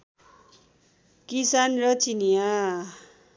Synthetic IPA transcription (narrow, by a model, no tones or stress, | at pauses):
kisanrʌt͡sinja